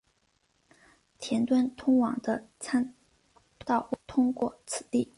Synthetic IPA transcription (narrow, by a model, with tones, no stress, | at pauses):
t̪ʰjɛ˧˥nt̪wa˥nt̪ʰʊ˥ŋwɑ˨˩ŋd̪ə˦t͡sʰa˥n | t̪ɑ˥˩ʊ˥˩t̪ʰʊ˥ŋkwɔ̰˥˩t͡sʰɹ̩˨˩t̪i˥˩